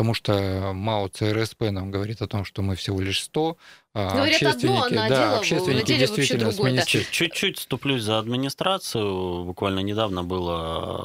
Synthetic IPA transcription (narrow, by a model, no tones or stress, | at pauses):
t̪ɐmuʂt̪omalˠət̪sɨɛɾɛspɛnamɡəvɐɾʲit̪ɐt̪o̞mʂt̪omɨfsʲɪvo̞lʲɪʂst̪o̞ | ɡɐɕest̪vʲɪnʲɪkʲɪd̪aɐɕːest̪vʲɪnʲɪkʲɪdʲɪjst̪vʲitɪlʲnəsmʲɪnʲɪsʲt͡ɕːʉt̚ʲt͡ɕːutʲst̪ʊplʲusʲzəɐd̪mʲɪnʲɪst̪ɾat̪sɨjʊbʊkvalʲnənʲɪd̪avnəbɨlˠə